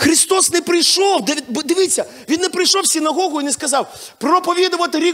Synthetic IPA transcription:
xɾʲist̪ɔsnɛpɾɪjʃɔwd̪ɪbd̪ɪʋɪt͡sʲːɐ | ʋʲinːɛpɾɪjʃɔwsʲɪnɐɦɔɣʊjinɛskɐzɑw | pɾɔpɔʋʲid̪ʊʋɐt̪ɪɾʲi

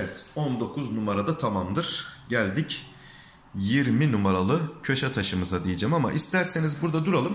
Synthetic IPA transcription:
ɛt̪ɔnd̪o̞kʰuznumaɾad̪at̪ʰamamd̪ɯɾ̥ɟælʲd̪ic | jiɾminumaɾalˠɯcʰøʃat̪ʰaʃɯmɯzad̪ijed͡ʒamama̰ʔist̪ʰæɾse̞nizbuɾd̪ad̪uɾalˠɯm

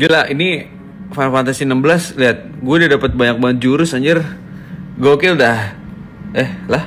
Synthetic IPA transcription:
ɡalaini | fanfant̪asinəmbəlasliɦat̪̚ɡuadadapət̪̚baɲak̚baŋət̪̚d͡ʒuɾʊsaɲd͡ʒər | ɡokɪldah | ɛhlah

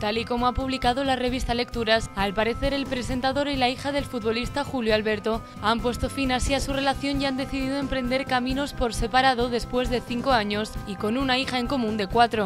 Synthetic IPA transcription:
t̪aliko̞moapuβ̞likað̞o̞lare̞β̞ist̪ale̞k̚t̪uɾasalpaɾe̞θe̞ɾe̞lpɾe̞se̞nt̪aðo̞ɾilaixað̞e̞lfut̪βo̞list̪axuljoalβe̞ɾt̪o̞ | ampwe̞st̪o̞finasiasure̞laθjo̞njand̪e̞θiðiðo̞e̞mpɾe̞nd̪e̞ɾkamĩno̞spo̞ɾse̞paɾað̞o̞ðe̞spwe̞zðe̞θiŋko̞aɲo̞siko̞nunaixaeŋko̞mũnd̪e̞kwat̪ɾo̞

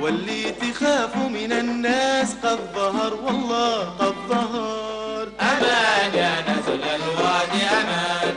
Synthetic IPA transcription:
walːɪːt̪ːɪxaːfmɪnanːaːsqɑd̪ðˤɑɦɑɾˤwɑlˤːɑːqɑd̪ðˤɑɦɑ | ɾˤʔamaːd͡ʒaːnatlalwɑdɪʔama

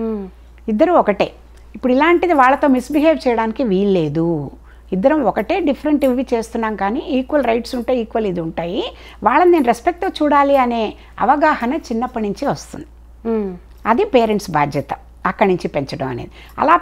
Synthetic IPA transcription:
id̪ːɐɾumɔkɐʈḛː | ipːuɽilaːɳʈid̪iʋaːɭːɐt̪o̞ːmisbiɦeːʋt͡ʃɛjɐɽaːnikiʋiːlle̞ːd̪u | id̪ːɐɾɐmɔkɐʈe̞ːɖipʰɐɾeɳʈiʋʋit͡ʃe̞ːst̪unːaːmkaːniʔiːkʋɐlɾɐjʈsuɳʈeːjiːkʋɐlid̪iuɳʈaːji | ʋaːɭːɐnnenuɾespek̚ʈt̪oːt͡ʃuːɽaːliɐne̞ː | ɐ̰ʋɐɡaːhɐnɐt͡ʃinːɐpːɐniɲt͡ʃiʋɐst̪ṵnd̪i | ɐd̪ipeːɾeɳʈsbaːd̪ʱjɐt̪ɐ | ɐkːɐniɲt͡ʃipeɲt͡ʃɐɽɐmɐnḛːd̪i | ɐ̰laː

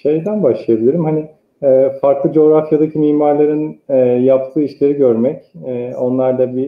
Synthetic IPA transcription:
ʃe̞jd̪ænbaʃlˠɯjabilʲiɾimhanɪ | ɛːfaɾklˠɯd͡ʒo̞ːɾafjad̪acʰimiːmaɾlˠaɾɯnɛjapt̪ʰɯːiʃlʲe̞ɾiɟø̞ɾmɛcɛo̞nlˠaɾd̪abi

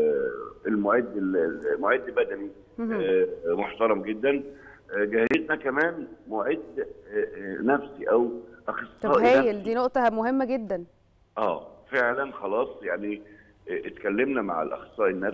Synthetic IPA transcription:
elmoʕiːd̪emoʕiːd̪lbæd̪æni | moħt̪ɑɾˤɑmɡed̪ːænɡæheznækæmæːnmoʕed̪ | næfsiʔæwʔɑxesˤːɑːʔhæːnæjeld̪iːnoʔt̪ˤɑhmoɦemːæɡed̪ːæn | ʔæːfeʕlænxɑlɑːsˤjaʕni | ʔt̪kælːemnæma̰ʕḛlʔɑ̰xsˤːɑːʔenːæfs

